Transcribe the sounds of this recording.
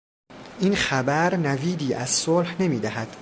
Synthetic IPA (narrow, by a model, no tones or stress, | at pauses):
ʔinxæbæɾnæviːd̪iːʔæz̥solhne̞miːd̪æɦæd̪̥